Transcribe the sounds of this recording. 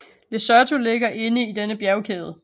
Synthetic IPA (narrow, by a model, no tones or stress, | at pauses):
lesɶɐt͡sʰule̝ɡ̥ɐʔe̝nəid̥enəb̥jæɐʊkʰeːð̞̩ˠə